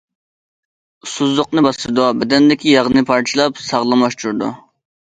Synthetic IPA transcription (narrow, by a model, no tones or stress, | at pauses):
suzʊqnɨbɑsɨɾd̪uɑbɛd̪ɛnd̪ɪkʲʰijɑʁɨnɨpʰɑɾt͡ʃʰilˠɑpsɑʁlˠɑmɑʃt̪ʰuɾd̪u